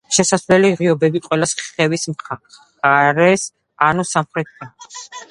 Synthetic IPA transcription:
ʃɛsaslɛliʁiɔbɛbiqʼwɛlasχχɛvismχa | aɾɛs | anusamχɾɛt̪̚ʰant̪ʰi̥s

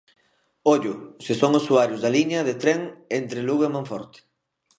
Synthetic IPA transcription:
oʎʊsɪsoŋʊsuaɾjʊzðɐliɲɐðet̪ɾeŋent̪ɾeluɣemãɱfɔ̰ɾt̪ɪ̥

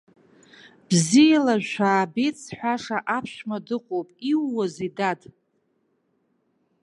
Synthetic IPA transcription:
b̥zijalaʒʷʃaːbet͡sʰħʷaʂaʔapʰʃmadɨqʷʼopʼiwːazidadʼ

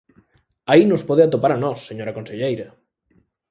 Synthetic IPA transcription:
ainʊspɔðeat̪opaɾanɔsːeɲoɾakonseʎejɾɐ

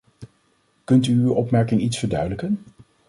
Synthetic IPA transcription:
kɵntyːwʔɔpmɛɹkɪŋitsfəɹdœɥdələkən

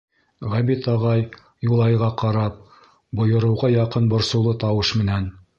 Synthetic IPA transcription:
ʁæbit̪ɑʁɑj | julˠɑjʁɑqɑɾɑp̚ | bŏjɤ̆ɾɤ̆wʁɑjɑqɤnbŏɾsɤ̆wlˠɤt̪ɑwɤʃmɘ̆næn

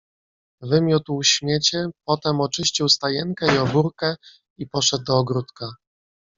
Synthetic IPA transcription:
vɘmʲjut̪wɕmʲjet͡ɕɛpɔt̪ɛmɔt͡ʂɘɕt͡ɕiwst̪ajɛŋkɛiɔbuɾkɛ | ipɔʂɛd̪̚d̪ɔːɡɾut̪ka

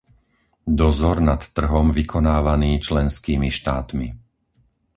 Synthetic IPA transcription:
d̪ɔzɔɾnat̪ːr̩ɦɔmʋikʰɔnaːʋaniːt͡ʃlɛnskiːmiʃt̪aːt̪mi

